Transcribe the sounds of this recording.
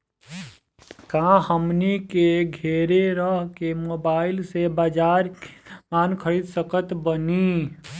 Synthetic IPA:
kãhəmnikeɡʱeːɾeɾəɦkemoːbaːɪlsebaːd͡ʒaːɾmaːnkʰəɾid̪səkət̪bəni

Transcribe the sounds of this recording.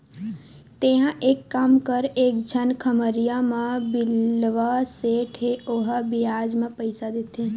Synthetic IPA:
t̪eɦãʔeːkːaːmkəɾeːkd͡ʒʱənkʰəməɾijamãbɪlʋaseːʈɦeoɦabɪjaːd͡ʒmãpəɪsad̪eːt̪ẽ

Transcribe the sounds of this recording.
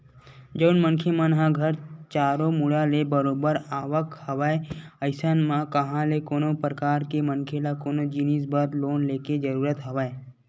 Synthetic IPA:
d͡ʒəʊnmə̃nkʰemənɦãɡʱəɾt͡ʃaːɾomʊɽalebəɾoːbəɾaːʋəkhɐʋaːeəɪsənmãkəɦãlekoːnõpɾəkaːɾkemənkʰelakoːnod͡ʒinis̬bəd̪loːnleːked͡ʒəɾuːɾət̪ɦɐʋaːe

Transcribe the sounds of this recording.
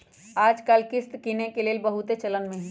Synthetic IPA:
aːd͡ʒkaːlkɪst̪kinekeleːlbɐɦut̪et͡ʃɐlənmẽɦɛ̃

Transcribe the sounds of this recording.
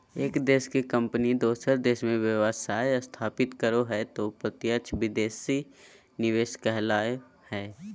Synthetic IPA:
eːkd̪eːʃkekə̃mpnid̪oːsəɾd̪eːsmẽʋjəʋəsaːjst̪ʰaːpɪt̪kəɾoɦɛt̪opɾət̪jəʃʰʋɪd̪eːsi | nɪʋeːʃkɛɦlaːjo | hɛː

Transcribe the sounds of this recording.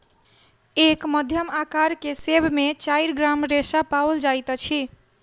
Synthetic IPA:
ekməd̪ʱjəmakaɾkesebmet͡ʃajɾɡɾamɾesapaold͡ʒajt̪t͡ʃʰi

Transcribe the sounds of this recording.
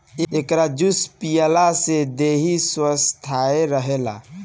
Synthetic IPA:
ekɾad͡ʒuspijəlased̪eɦiswəst̪ʰaeɾəɦela̰

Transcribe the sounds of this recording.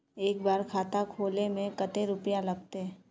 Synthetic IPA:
eːk̚baːɾkʰaːt̪akʰoːlemẽkət̪eɾʊpjalɐɡ̚t̪eɦɛ̃

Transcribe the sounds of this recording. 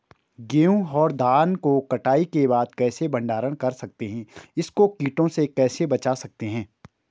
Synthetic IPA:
ɡeːũɔːɾd̪ʱaːnkokɐʈaːikebaːd̪̚kɛːsebɐ̃ɳɖaːɾəɽ̃kɐɾsɐk̚t̪eɦɛ̃ːɪskokiːʈõsekɛːsebɐt͡ʃasɐk̚t̪eɦɛ̃ː

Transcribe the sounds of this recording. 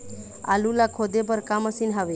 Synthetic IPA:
a̰lulakʰod̪ep̬əɾkaməsinɦaʋe

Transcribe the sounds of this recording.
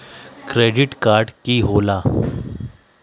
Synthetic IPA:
kɾeɖiʈkaɾɖkiːɦola

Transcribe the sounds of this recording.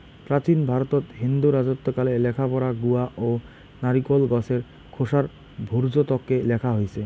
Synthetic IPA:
pɾat͡ɕinbʱaɾot̪ot̪ɦind̪uɾad͡ʑot̪ːokalelɛkʰapɔɾaɡuaʔo | naɾikolɡɔseɾ | kʰoʃaɾ | bʱuɾd͡ʑot̪ɔkːelɛkʰaɦojt͡ɕʰe

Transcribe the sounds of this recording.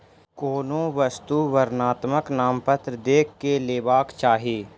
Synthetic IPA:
koːnõːʋəst̪uʋəɾnaːt̪məknaːmpət̪ɾd̪eːkːeleːbaːkt͡ʃaːɦeː

